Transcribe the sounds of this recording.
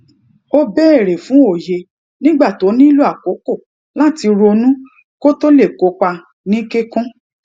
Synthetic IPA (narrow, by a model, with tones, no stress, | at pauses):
o˦bɛ˦˨ɾe˨fũ˨˦o˦˨je˧ | nĩ˦ɡ͡ba˦˨to˨˦nĩ˦lu˦a˦˨ko˨˦ko˦˨ | la˦˨ti˧ɾo˧nũ˦ | ko˦to˦le˦˨ko˨˦k͡pa˧ | nĩ˦ke˦kũ˦